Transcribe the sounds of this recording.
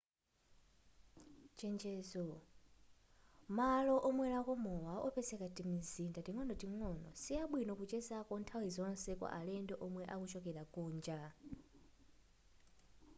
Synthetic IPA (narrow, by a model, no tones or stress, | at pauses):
t͡ʃɛnd͡ʒɛːzɔ | malɔʔɔmwɛɾakɔmɔwaʔɔpʰɛsɛkatimizindatiŋɔndɔtiŋɔnɔ̰siaɓwinɔkut͡ʃɛsakɔntʰawizɔnɔsɛkɔ̰ʔalɛndɔʔɔmwɛʔakuʃɔkɛlakuːnd͡ʒa